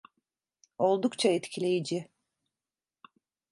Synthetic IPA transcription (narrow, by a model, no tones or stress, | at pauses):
o̞lˠd̪ukt͡ʃʰaɛt̪cʰilʲe̞jid͡ʒɪ